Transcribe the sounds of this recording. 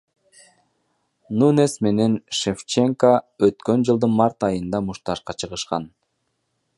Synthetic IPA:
nunesme̞ne̞nʃeft͡ʃe̞ŋkəøt̪kø̞nd͡ʒɯlˠd̪ɯnmɑɾt̪ɑjɯnd̪ɑmuʃt̪ɑʃqɑt͡ʃʰɯʁɯʃqɑ̰n

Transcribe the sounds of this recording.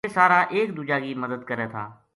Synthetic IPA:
esaːɾaːʔeːk̚d̪uːd͡ʒaːkiməd̪əd̪kəɾet̪ʰa̰ː

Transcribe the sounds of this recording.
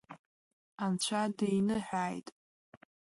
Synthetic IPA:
ant͡ɕʷʰadejnɨħᶣaːjtʼ

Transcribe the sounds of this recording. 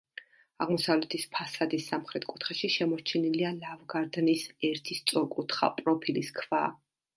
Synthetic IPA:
aʁmɔsavlɛt̪ʰispʰasad̪isːamχɾɛt̪ʰkʼu̥t̪ʰχɛʃiʃɛmɔɾt͡ʃʰɛnilialavɡaɾd̪nisɛɾt̪ʰist̪sʼɔɾkʼut̪ʰχa̰pʼɾɔpʰiliskʰvaː

